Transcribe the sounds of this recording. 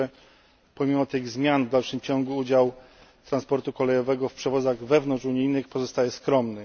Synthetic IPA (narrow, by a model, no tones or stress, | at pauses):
ɛ | pɔmʲimɔt̪ɘɣzmʲjanvd̪alʂɘmt͡ɕɔŋɡuud͡ʑaw | t̪ɾanspɔɾt̪ukɔlɛjɔvɛɡɔfpʂɛvɔd̪zaɣvɛvnɔnt͡ʂuɲijnɘxpɔzɔst̪ajɛskɾɔmnɘ